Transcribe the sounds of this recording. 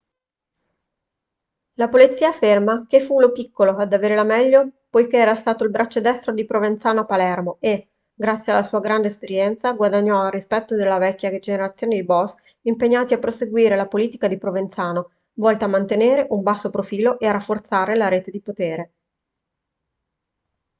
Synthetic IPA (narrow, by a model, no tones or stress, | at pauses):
lapolit̪sːiːaːfːermakefːulopikːoload̪aveːɾelamɛʎːopojk̟eɛːɾast̪aːt̪oilbɾʔat͡ʃːod̪ɛst̪ɾod̪ipɾovent̪saːnoapːalɛrmoe | ɡɾat̪sːjealːasuːaɡɾand̪eːspeɾjɛnt̪saɡwad̪aɲːɔarːispɛt̪ːod̪elːavɛkʲːjad͡ʒeneɾat̪sːjoːned̪ibɔs | impeɲːaːt̪iapːɾoseɡwiːɾelapoliːt̪ikad̪ipɾovent̪saːno | vɔlt̪eamːant̪eneːɾeʔumbasːopɾofiːloʔearafːort̪saːɾelaɾeːt̪ed̪ipot̪eːɾe